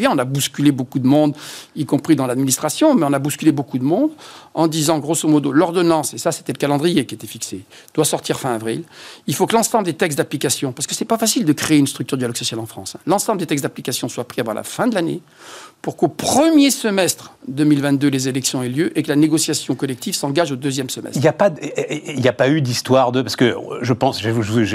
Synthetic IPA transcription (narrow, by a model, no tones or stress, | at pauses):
jɛ̃ɔ̃nabuskʲylebokud̪əmɔ̃d̪ikɔ̃pχid̪ɑ̃lad̪minist̪χasjɔ̃mɛɔ̃nabuskʲylebokud̪əmɔ̃d̪ɑ̃d̪izɑ̃ɡʁosomɔd̪olɔʁd̪ɔnɑ̃sesase̥t̪ɛləkalɑ̃d̪ʁijekʲiet̪ɛfikse | d̪̥wasɔʁt̪iʁfɛ̃avʁḭlilfokəlɑ̃sɑ̃bləd̪et̪ɛkst̪̬̚d̪aplikasjɔ̃paʁsə̥kəsɛpafasild̪əkχeeynst̪χyk̚t̪yʁd̪yjalɔɡsɔsjalɑ̃fχɑ̰̃sɛ̃lɑ̃sɑ̃bləd̪et̪ɛks̬d̪aplikasjɔ̃swapχiavɑ̃lʔa̰fɛ̃d̪əlanḛ | puʁkopχəmjesəmɛst̪χd̪ømilvɛ̃t̪̚d̪ølezelɛksjɔ̃ɛljøʔekəlaneɡɔsjasjɔ̃kɔlɛk̚t̪ivsɑ̃ɡaʒod̪øzjɛmsəmɛ̰siljapailjapayd̪ist̪waʁd̪əpaʁsə̥kə̰ʒəpɑ̃sʒeʒuʒ